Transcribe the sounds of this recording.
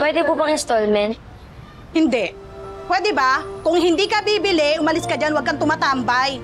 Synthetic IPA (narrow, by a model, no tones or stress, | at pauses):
pwɛd̪ɛpubɐŋɪnst̪olmɛnt̪̚ | hɪnd̪ɛʔ | pwɛːd̪ɛbakʊŋɦɪnd̪ikɐbiːbɪlɪʔʊmɐlɪskɐd͡ʒanwɐɡ̚kɐŋt̪ʊmaːt̪ambaj